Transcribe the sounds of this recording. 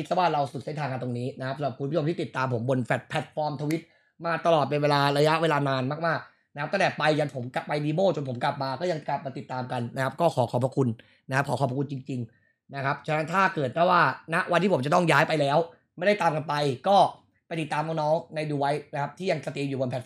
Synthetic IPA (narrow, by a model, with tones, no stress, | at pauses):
i˦˥sa˧˩waː˥˩ɾa˧wsu˨˩se˥˩nt̪ʰaː˧ŋka˧nt̪o˧ŋniː˦˥na˦˥kʰa˦˥psa˨˦mɾa˨˩p̚ku˧bu˥˩o˧mt̪iː˥˩t̪i˨˩t̪ːaː˧mpʰo˩˦mbo˧nfʰɛ˨˩t̪̚pʰɛ˨˩t̪̚fɔː˧mt̪ʰuː˧wi˦˥t̪̚ | maː˧t̪a˧lɔː˨˩t̪̚pe˧nweː˧laː˧ɾa˧ja˦˥ʔweː˧laː˧naː˧nmaː˥˩k̚maː˥˩k̚ | na˥k̚ʰt̪ʰa˥˩t̪ɛ˨˩pa˧jja˨˩pʰo˩˦mka˨˩pːa˧jdiː˧moː˥˩t͡ɕo˧npʰo˩˦mkla˨˩p̚maː˧kɔː˥˩ja˧ŋkla˨˩p̚maː˧t̪i˨˩t̪ːaː˧mka˧nna˦˥kʰa˦˥p̚kɔː˥˩kʰɔː˩˦˥kʰɔː˨˩pʰɾa˧kʰu˧n | na˦˥kʰp̚kʰɔː˩˦kɔː˧˩pʰa˧ku˧nt͡ɕi˧ŋt͡ɕi˧ŋ | na˦˥kʰa˦˥p̚t͡ɕʰa˥na˦˥nt̪ʰaː˥˩kɤː˨˩t̪̚pʰɔ˥˩waː˥˩na˦˥ʔwʔa˧nt̪ʰiː˥˩o˩˦mt͡ɕa˨˩t̪ɔ˥˩ŋjaː˦˥jpa˧jlɛː˦˥w | ma˥˩jda˥˩jt̪aː˧mka˧npa˧jkɔː˥˩ | pa˧jt̪i˨˩t̪ːaː˧mɔː˧nɔː˦˥ŋna˧jduː˧wa˦˥jna˦˥kʰa˦˥p̚t̪ʰiː˥˩ja˧ŋsa˧t̪iː˧mjuː˨˩bo˧npʰɛ˨˩